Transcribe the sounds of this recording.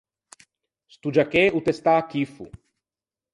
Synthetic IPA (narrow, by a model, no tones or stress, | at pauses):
st̪ud͡ʒakeut̪est̪akifṵ